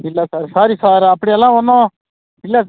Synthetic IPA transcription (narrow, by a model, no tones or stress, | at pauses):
ɪlːasaːɾsaːɾiːsaːɾɐpːɽeɐlːãːʋɐnːõ | pɪlːa